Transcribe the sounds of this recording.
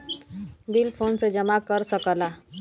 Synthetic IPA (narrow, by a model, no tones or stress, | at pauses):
bilpʰonsed͡ʒəmakəɾsəkəla